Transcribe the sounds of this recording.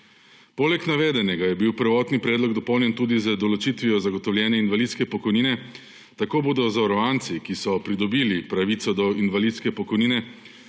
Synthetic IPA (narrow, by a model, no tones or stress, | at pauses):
poːlɛknaʋeːd̪ɛnɛɡajɛbiwpəɾʋɔːt̪nipɾɛːd̪lɔɡd̪ɔpɔwnjɛnt̪uːd̪izəd̪ɔlɔt͡ʃit̪ʋijɔzaɡɔt̪ɔwlʲjɛːnɛinʋalit̪skɛpɔkɔjniːnɛ | t̪akoːboːd̪ɔzaɾɔant̪sikisɔpɾid̪ɔbiːlipɾaʋit̪sɔd̪ɔinʋalit̪skɛpɔkɔjniːnɛ